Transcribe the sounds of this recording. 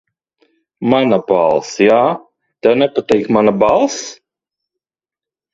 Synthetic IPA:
manabalˠsjaː | t̪ɛwnɛpat̪ɛjkmanabalˠs

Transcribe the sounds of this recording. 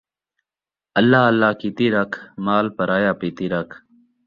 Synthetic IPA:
əlːaːəlːaːkiːt̪iːɾakʰmaːlpəɾaːjaːpiːt̪iːɾakʰ

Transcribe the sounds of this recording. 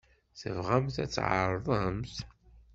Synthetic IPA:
θəvʁæmθæ̰t͡sːʕə̰ɾˤðˤəmθ

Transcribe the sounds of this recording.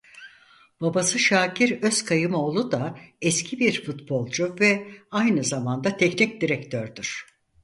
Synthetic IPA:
b̥abasɯʃaːcʰiɾøskʰajɯmo̞ːlˠud̪aɛscʰibiɾfut̪bo̞lˠd͡ʒuvɛajnɯzamand̪at̪ʰɛcnic̚d̪iɾɛct̪ʰøɾd̪yɾ̝̥

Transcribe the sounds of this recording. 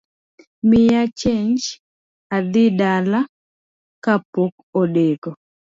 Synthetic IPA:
mɪjat͡ʃeɲd͡ʒ | ad̪ɪdala | kapok | oɗeko

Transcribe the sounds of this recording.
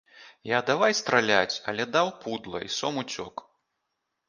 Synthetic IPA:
jad̪avajst̪ɾalʲat͡sʲɐ̰lʲɛd̪awpud̪lˠɐ̰ʔisɔmut͡sʲɔ̰k

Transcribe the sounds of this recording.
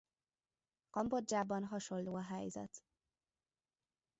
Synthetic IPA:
kɒmbo̞d͡ʒaːbɒnɦɒʃo̞lloːɒɦɛjzɛ̰t̪

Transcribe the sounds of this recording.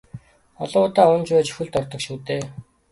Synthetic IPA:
ɔɮʊːt̪aːʊnt͡ɕpæːt͡ɕɵ̥xɘ̆ɮt̪ɔrt̪ɞ̆kʃuːt̪eː

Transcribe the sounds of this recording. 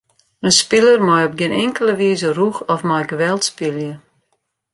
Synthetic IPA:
ənspɪlərmɔjɔp̚ɡɪnɪŋkəlˠəʋiːzəruxɔfmɔjɡəʋɛlˠtspɪljə

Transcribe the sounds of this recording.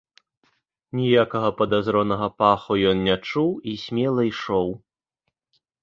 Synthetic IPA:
nʲijakɐɣɐpɐd̪azɾɔnɐɣɐpaxujɔnnʲat͡ʂuwisʲmʲɛlˠɐjʂɔw

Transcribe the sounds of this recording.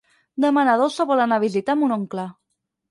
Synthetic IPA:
d̪əmanaðosəβɔlanaβizit̪amunoŋkla

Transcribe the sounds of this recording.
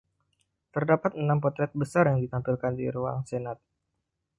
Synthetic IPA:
t̪ərdapat̪ənampɔt̪ɾɛt̪̚bəsarjaŋdit̪ampilkandḭɾua̰ŋsenat̪̚

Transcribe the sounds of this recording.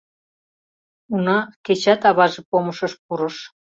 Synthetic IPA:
unɑket͡ɕɑt̪ɑβɑʒepoməʃəʃp̚uɾɤ̆ʃ

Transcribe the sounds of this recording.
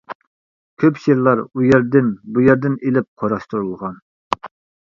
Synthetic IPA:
kʲʰøpʃeɾlˠɑɾujɛɾd̪ɪnbujɛɾd̪ɪnelɪp̚qʰoɾɑʃt̪uɾulˠʁɑn

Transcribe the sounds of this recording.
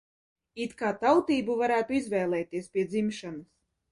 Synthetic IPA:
it̪kaːt̪awt̪iːbuvaɾæːt̪uizvʲɛːlˠɛːt̪iɛspʲiɛd̪zimʃanɐs

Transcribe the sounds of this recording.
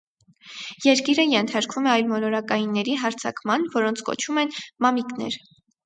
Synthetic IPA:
jɛɾkiɾəjɛnt̪ʰɑɾkʰumɛɑjlmɔlɔɾɑkɑjinːɛɾiɦɑɾt͡sʰɑ̰kmɑnvɔɾɔnt͡sʰkɔ̰t͡ʃʰumɛnmɑmiknɛ̰ɾ

